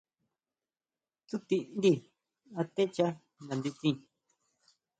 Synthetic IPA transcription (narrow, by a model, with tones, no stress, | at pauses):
t͡su˦t̪i˧ʔn˦d̪i˧˨ | a˧t̪e˦t͡ʃa˦ | nã˨nd̪u˧kĩ˧